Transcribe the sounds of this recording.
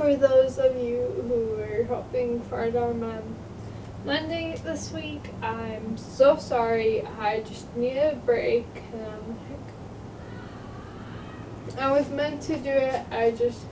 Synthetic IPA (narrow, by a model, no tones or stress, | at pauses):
fə˞ðoʊzʌvjʉhuə˞ɦɛlˠpɪ̃ŋfaɹɾaʊə˞mãn | lɛ̃ndɪ̃ŋðɪswik | ãɪ̃msoʊsɑɹiaɪd͡ʒʌsniɾɨbɹeɪkʰ | ɨ̃nãɪmlaɪk | aɪwʌzmɛ̃ntʰɨdɨɪtaɪd͡ʒʌst